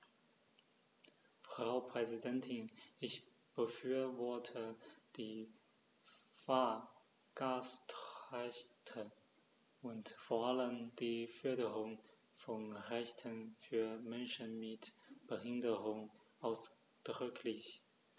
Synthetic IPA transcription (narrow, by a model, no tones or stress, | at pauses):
fʁ̥aʊpʁ̥ɛzidɛntʰɪnʔɪç | b̥əfyːɐvɔɐtʰəd̥iː | fa | ɡ̥astʁaɪçtʰə | ʔʊntfoːɐʔaləmd̥iːfœɐɾəʁʊŋ | fɔnʁɛçtʰənfyːɐmɛnʃənmɪtb̥əhɪndəʁʊŋʔaʊs | d̥ʁʏkʰlɪç